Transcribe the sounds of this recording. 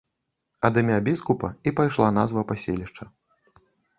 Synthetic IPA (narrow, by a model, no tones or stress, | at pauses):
ɐd̪ɨmʲabʲiskupɐipajʂlˠan̪azvɐpasʲḛlʲiʂt͡ʂɐ